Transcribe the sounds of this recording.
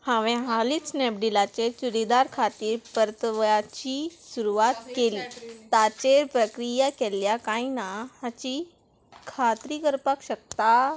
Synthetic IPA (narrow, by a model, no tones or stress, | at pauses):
hãʋẽɦalisnep̚ɖilat͡ɕet͡ɕuɾid̪aɾkʰat̪iːɾpəɾət̪ʋəjat͡ɕisuɾuʋat̪keliːt̪at͡ɕepɾəkɾijakeljakãinaat͡ɕi | kʰat̪ɾiɡəɾpakɕək̚t̪a